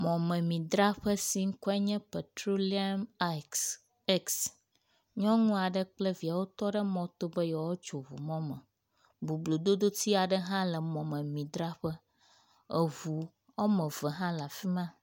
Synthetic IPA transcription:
mɔ̃˨mə̃˨mĩ˨d̪ɾa˦ɸə˦si˦ŋ̩˦kɔ˦ɛ˦ɲɛ̃˦pe˨t̪ɾo˦li˦a˦m˦ | e˦ks | ɲɔ̃˦ŋũ˦a˨ɖə˦k͡plə˦vi˨a˨wo˦t̪ɔ˦ɖə˦mɔ̃˦t̪o˦bə˦jɔ˨wo˦t͡ʃo˨βṵ˨mɔ̃˦mə̰̃˨ | bu˨blo˨d̪o˦d̪o˦t̪i˦a˨ɖə˦ɦã˦lə˨mɔ̃˨mə̃˨mĩ˨d̪ɾa˦ɸə˦ | ə˨βu˨ | ɔ˦mə̃˨və˨ɦã˦la˨fi˦mã˦

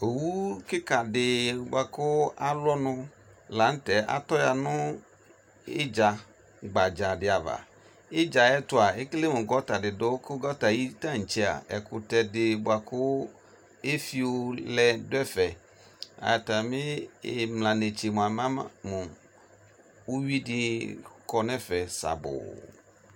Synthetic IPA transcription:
o˨wu˦kɪ˦ka˨dɪ˨bo˨a˨kʊ˦a˦lɔ˦nʊ̃˦ | la˨˦n̩˦tɛ˨ʔa̰˨t̪ɔ˦ja˨nʊ̃˦ | ɪ̰˦d͡ʒa˨ | ɡ͡ba˨d͡ʒa˨dɪ˨a˨va̰˨ | ɪ˦d͡ʒa˨ɛ˦tʊ˦a˨e˦kle˦mʊ̃˨ɡɔ˦ta˨dɪ˨do˦kɪ˦ɡɔ˦ta˨ji˦tã˦ŋ̩˨t͡ʃɛ˦a̰˨ɛ̰˨kʊ˨tɛ˨dɪ˨bʊ˨a˨kʊ˦ | e˦fi˦wo˦lɛ˨dʊ˦ɛ˦fɛ˨ | a̰˨ja˨ta˨mɪ̃˦e˨mlã˨ne˨t͡ʃe˨mũ˨a˨mã˦mũ˨ | wu˦ɥi˦dɪ˦kɔ˨nɛ̃˦fɛ˨sa̰˨bʊ̰˨

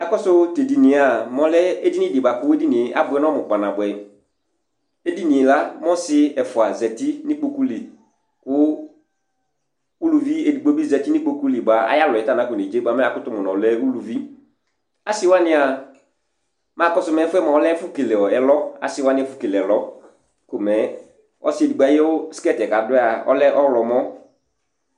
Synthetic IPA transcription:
ɛ˦kɔ˦sʊ˦te˨di˨nĩ˨a˨mɔ̃˨˦lɛ˦e˦di˦nɪ̃˦dɪ˨ba˨kʊ˦e˦di˦nɪ̃˨a̰˦bʊ˨ɛ˦nɔ˦mʊ˨k͡pa˨nã˨bʊ˨ɛ˨ | e˦di˦nĩ˨e˨la˦mɔ̃˦sɪ˦ɛ˨fʊ˨a˨zɛ˨tɪ˦nɪ̃˦k͡po˦ku˦li˨ | kʊ˦ | u˦lu˨vi˦e˨di˨ɡ͡bo˦bi˦zɛ˨ti˦nɪ̃˦k͡po˦ku˦li˨ba˨a̰˨˦ja˦lʊ˨ɛ˨ta˦˨nã˨˦kʊ˨ne˨d͡ʒe˦ɡ͡ba˨mɛ˦a˨kʊ˦tʊ˨mʊ˨nɔ̃˨lɛ˦u˦lu˨vi˦ | a˨sɪ˦wa˦nɪ̃˦a˨ | ma˦˨kɔ˦sʊ˨˦mɛ˨˦fʊ˦ɛ˦mã˨ɔ˦lɛ˦fʊ˦ke˨le˨ɔ˨ɛ˨lɔ˦a̰˨sɪ˦wa˦nɪ̃˨˦ɛ˨fʊ˦ke˨lɛ˨ɛ˨lɔ˦ | kʊ˨mɛ˨˦ | ɔ̰˦sɪ˦e˨di˨ɡ͡ba˨˦jɛ˦ɔ˦si̥˦ɛ˦tɛ˨ka˨dʊ˦a˨ɔ̰˦lɛ˦ʔɔ˦lɔ˨mɔ̃˦

